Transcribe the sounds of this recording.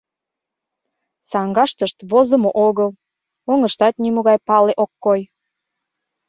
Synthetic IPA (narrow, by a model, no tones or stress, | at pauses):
sɑŋɡɑʃt̪əʃt̪βozəmoʔoɣəl | oŋəʃt̪ɑt̪nimuɣɑjpɑleʔokːoj